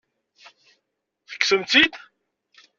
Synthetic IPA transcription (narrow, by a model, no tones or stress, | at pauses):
θə̥kːsəmt͡s̪id̪